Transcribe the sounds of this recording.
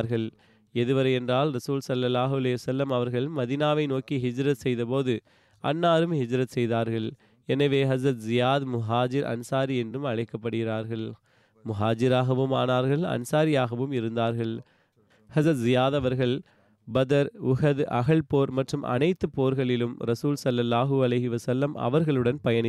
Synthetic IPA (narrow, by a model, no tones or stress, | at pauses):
ɾɣɐɭ | ɛðɯʋɐɾɐɛndraːlɾɐsuːlsɐlːɐlːaːɦʊɐlɐɪʋɐsɐlːɐmɐʋɐɾɣɐɭmɐðinaːʋɐɪnoːkiɦɪd͡ʒɾɐt̪sɛjðɐpoːðɯ | ʔɐ̰nːaːɾɯmhɪd͡ʒɾɐt̪sɛjðaːɾɣɐɭ | ɛnɐʋeːɦɐzɾɐt̪zɪjaːðmʊɦaːd͡ʒɪɾʔɐ̰nsaːɾiɛndrɯmɐɻɐɪkːɐpːɐɽɯɣɪɾaːɾɣɐɭ | mʊɦaːd͡ʒɪɾaːɣɐʋɯma̰ːnaːɾɣɐɭɐ̰nsaːɾɪjaːɣɐʋɯmɪɾɯnd̪aːɾɣɐɭ | hɐzɾɐt̪zɪjaːðɐʋɐɾɣɐɭ | bɐðɐɾʊɣɐðʔɐ̰ɣɐɭpoːɾmɐʈrɯmʔɐ̰nɐɪt̪ːɯpːoːɾɣɐɭɪlɯmɾɐsuːlsɐlːɐlːaːɦɯɐlɐɪɦɪʋɐsɐlːɐmɐ̰ʋɐɾɣɐɭɯɽɐnpɐjɐnɪ